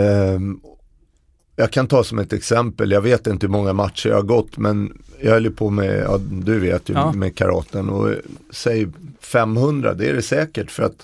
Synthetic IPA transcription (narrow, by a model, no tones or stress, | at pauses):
jɑːɡkʰant̪ʰɑːsɔmɛt̪ɛksɛmpəljɑɡveːt̪ɪnt̪əhɵmɔŋːamat̪ʂəɾj̰haɾɡɔt̪ːmɛnjɑːœljəpʰoːmɛ̰jɑ̰ːd̪ɵvḛːt̪ʰjəmɛkʰaɾɑ̰ːt̪ənɔ̰sɛjfɛmːhɵnd̪ɾa̰d̪ɛæ̰ɖɛsɛːkəʈfœɾa̰t̪